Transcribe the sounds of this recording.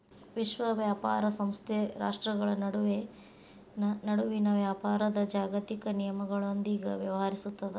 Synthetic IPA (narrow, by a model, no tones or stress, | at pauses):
ʋiʃʋɐʋjaːpaːɾɐsɐmst̪ʰeɾa̰ːʂʈɾɐɡɐɭɐnɐɽuʋe | nnɐɽuʋinɐʋjaːpaːɾɐd̪ɐd͡ʒaːɡɐt̪ikɐnijɐmɐɡɐɭond̪iːɡɐʋjɐʋɐɦɐɾisut̪ːɐd̪e